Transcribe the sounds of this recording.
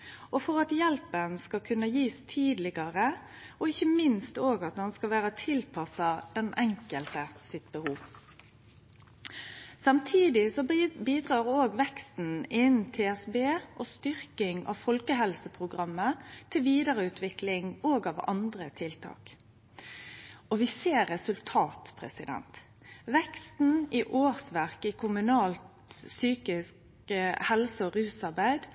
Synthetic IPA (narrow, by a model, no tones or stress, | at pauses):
ʔɔfɔʁɑt̪jɛlpənskɑkʰʉnːəjiːst̪ʰiːd̪lɪɡɑʁə | ɔɪçəmɪnst̪oːɡɑt̪̚d̪ɑnskɑʋæːʁət̪ʰɪlpʰɑsɑd̪̥ɛnʔɛŋkəlt̪əsɪt̪̚bəhuːʋ | sɑmt̪ʰiːd̪ɪsɔbiːd̪ʁɑːʁoːɡʋɛkst̪n̩ɪnt̪ʰeːɛsbeːʔoːst̪ʏʁkɪŋɑ̰ʋfɔlkəɦɛlsəpʰʁʊɡʁɑmːət̪ʰɪlʋiːd̪əɾəʉːt̪ʰʋɪklɪŋoːɡɑʋɑ̰nd̪ʁət̪ʰɪlt̪ʰɑ̰ːk | ɔʋɪseːɾɛsʉlt̪ʰɑːt̪pʰʁɛ̰sɪd̪ɛ̰nt̪ | ʋɛkst̪n̩iʔoːʁsʋæʁkɪkʰʊmʉnɑːlt̪ | syːkɪsk | əhɛlsəɔʁʉːsɑʁbæɪd̪